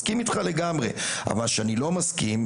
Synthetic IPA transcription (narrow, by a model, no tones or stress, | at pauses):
kimit̪χale̞ɡamʁe̞̰a̰valkʃeanilo̞maskim